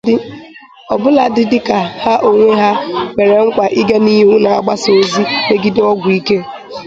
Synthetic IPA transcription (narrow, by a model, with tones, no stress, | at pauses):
ɪ˦ | ɔ˨bʊ˦la˨dɪ˦dɪ˦ka˨ha˦ʔo˨ŋʷe˦ɦa˦me˨ɾe˨ŋ̩˦kʷa˨ʔɪ˦ɡa˦ni˦ɦu˦na˨a̰˨ɡ͡ba˦so˨zi˦ne˦ɡɪ˦dɔ˦ɡʷʊ˨i˦ke˦